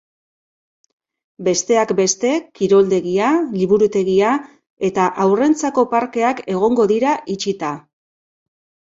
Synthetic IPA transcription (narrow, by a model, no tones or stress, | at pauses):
be̞st̪e̞akbe̞st̪e̞kiɾo̞ld̪e̞ɣialiβuɾut̪e̞ɣia | e̞t̪aʔawre̞nt͡sako̞paɾke̞ake̞ɣ̞o̞ŋɡo̞ðiɾaʔit͡ʃit̪a